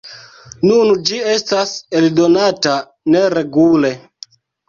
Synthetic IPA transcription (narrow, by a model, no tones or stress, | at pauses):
nund͡ʒie̞stase̞ldo̞nata | ne̞ɾe̞ɡule̞